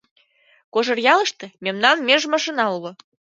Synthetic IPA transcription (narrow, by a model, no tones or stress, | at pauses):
koʒɤ̆rjɑlɤ̆ʃt̪ɤ̆mʲemnɑnmʲeʒmɑʃinɑulŏ